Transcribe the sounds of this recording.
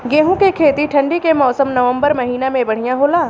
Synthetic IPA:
ɡeːɦũkekʰeːt̪iʈʰɐ̃ɳɖikemɔːsəmnɐʋə̃mbəɾmɐɦiːnamẽbɐɽ̤ijãɦoːlaː

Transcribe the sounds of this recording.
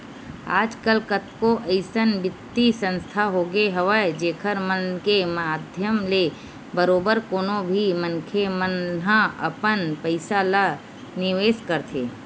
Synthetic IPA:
a̰ːd͡ʒkəlkət̪̚koʔəɪsənbɪt̪ːisə̃nst̪ʰaɦoːɡeɦəʋəd͡ʒeːkʰəɾmənkemaːd̪ʱjəmle | bəɾoːbəɾkoːnobʱimənkʰemənɦãə̰pənpəɪsala | nɪʋeːskəɾt̪ʰḛː

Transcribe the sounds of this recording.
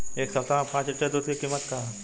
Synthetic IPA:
eːksɐt̪ãpãːt͡ʃɪʈːed̪uːt̪ikiːmːət̪ka

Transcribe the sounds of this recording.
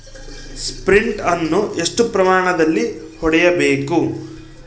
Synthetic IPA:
spɾiɳʈɐnːuʔe̞ʂʈupɾɐmaːɳɐd̪ɐlːi | hɔɽɛjɐbeːku

